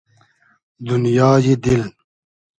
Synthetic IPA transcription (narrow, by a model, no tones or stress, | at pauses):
d̪unjɑːjed̪ɪl